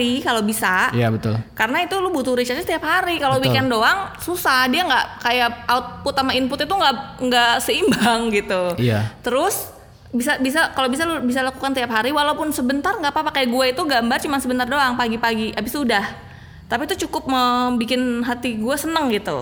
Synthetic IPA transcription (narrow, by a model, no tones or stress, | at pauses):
ikalobisajabət̪ʊ̰lkaɾənait̪ulubut̪uɾit͡ʃat͡ʃat̪iapɦaɾikalobikɪndoaŋsusahdiaŋɡaʔkajaaʊt̪̚put̪amainpʊt̪it̪uŋɡaʔŋɡaʔsəimbaŋɡit̪uat̪əɾʊs | bisabis̬akalobis̬alʊbis̬alakukant̪iapɦaɾiwalaupʊnsəbənt̪arŋɡaʔpapakaɡuait̪uɡambart͡ʃumansəbənt̪ardoaŋpaɡipaɡiʔabɪsudah | t̪apit̪ut͡ʃukʊp̚məbikɪnɦat̪iɡuasənəŋɡit̪ṵ